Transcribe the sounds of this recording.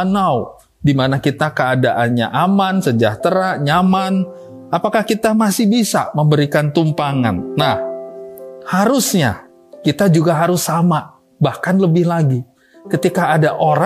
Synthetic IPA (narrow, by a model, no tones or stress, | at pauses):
naw | dimanakit̪akəadaʔanɲa̰ʔamansəd͡ʒaht̪əɾaɲaman | apakahkit̪amasɪhbisa̰məmbəɾikant̪umpaŋa̰nːah | haɾʊsɲa̰ | kit̪ad͡ʒuɡaɦaɾʊsama | bahkanləbɪhlaɡi | kət̪ikaːdaʔoɾ